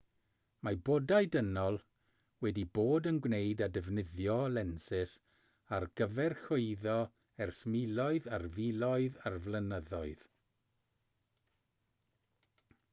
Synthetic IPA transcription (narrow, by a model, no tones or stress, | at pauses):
maboːdaɨdənɔlˠ | wɛdiboːdənɡwnejdadəvnɪðjɔlɛnsɪs | arɡəvɛrxoɨðɔ | ɛrsmilˠɔɨðarvilˠɔɨðarvlənəðɔɨð̥